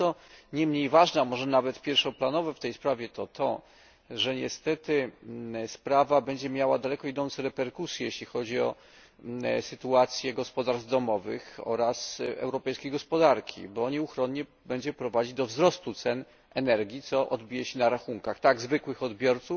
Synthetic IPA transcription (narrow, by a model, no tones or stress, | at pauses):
ɔɲɛmɲejvaʐnamɔʐɛnavɛt̪pʲjɛɾfʂɔ̃planɔvɛft̪ɛjspɾavʲjɛt̪ɔt̪ʰɔ̰ | ʐɛɲɛst̪ɛt̪ɘ | spɾavabɛɲd͡ʑɛmʲjawad̪alɛkɔid̪ɔnt̪sɛɾɛpɛɾkusʲjɛjeɕlʲixɔd͡ʑiɔ̰ | sɘt̪uat̪sʲjɛɡɔspɔd̪aɾd̪ɔmɔvɘ̰xɔ̰ɾasɛ̰wɾɔpɛjskʲejɡɔspɔd̪aɾkʲʰḭbɔɲɛuxɾɔɲɲɛ | bɛɲd͡ʑɛpɾɔvad͡ʑid̪ɔvzɾɔst̪ut̪sɛn | ɛnɛɾɡʲit̪sɔʔɔd̪bʲijɛɕɛnaɾaxuŋkaxt̪aɡzvɘkwɘxɔd̪bʲjɔɾt̪suf